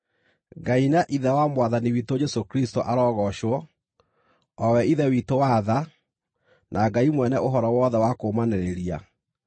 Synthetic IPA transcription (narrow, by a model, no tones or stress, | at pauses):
ɡainaʔiðɛwamwaðaniwitod͡ʒɛsokɾistoʔaɾɔːɣɔʃwɔ | ɔwɛiðɛwitowaða | nʔaɡaimwɛnɛʔoɦɔɾɔwɔðɛwakoːmaneɾeɾia̰